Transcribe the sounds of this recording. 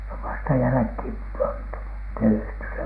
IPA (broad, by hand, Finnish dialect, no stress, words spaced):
se oʋ ʋɑstɑ jælæ̆khiˑm pɑntu tehty se